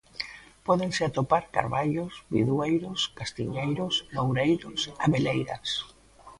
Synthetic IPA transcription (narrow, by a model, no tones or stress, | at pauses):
pɔðeŋseat̪opaɾka̰ɾβaʎosbḭðwejɾoskast̪ḭɲejɾosnowɾejɾosaβelejɾa̰s